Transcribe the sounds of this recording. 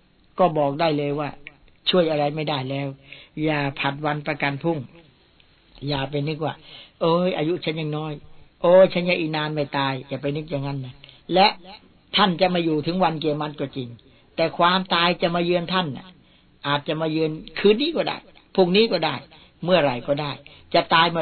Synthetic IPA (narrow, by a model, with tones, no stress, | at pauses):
kɔː˥˩bɔː˨˩k̚daː˥˩jlɤː˧jwaː˥˩ | t͡ɕʰu˥˩əjʔa˧ɾa˧jma˥˩jda˥˩jlɛː˦˥wjaː˨˩pʰa˨˩t̪̚wa˧npɾa˧ka˧npʰu˥˩ŋ | jaː˨˩pa˧jnɯ˦˥k̚waː˥˩ʔoː˧˩jʔaː˧ju˦˥t͡ɕʰa˦˥njaː˨˩ŋnɔː˦˥˩jʔoː˧˩t͡ɕʰa˦˥nja˧˩ʔi˨˩naː˧nma˥˩jt̪aː˧jːaː˨˩pa˧jnɯ˦˥k̚jaː˨˩ŋa˦˧˥nːa˦˥lɛ˦˥ʔ | t̪ʰa˥˩nt͡ɕa˨˩maː˧juː˨˩t̪ʰɯ˨˦ŋwa˧nki˧mːa˦˥t̪̚kɔː˧˥˩t͡ɕi˧ŋ | t̪ɛː˨˩kʰwaː˧mt̪aː˧jt͡ɕa˨˩maː˧jɯː˧ənt̪ʰa˥˩nʔa̰˨˩ | ʔaː˨˩t̪̚t͡ɕa˨ʔmaː˧jɯː˧ənkʰɯː˦˥nːiː˦˥kɔː˥˩da̰ː˥˩j | pʰuː˧˩ŋniː˦˥kɔː˥˩daː˥˩j | mɯ˥˩əɾa˧˩jkɔː˥˩daː˥˩j | t͡ɕa˨˩t̪aː˧jm˧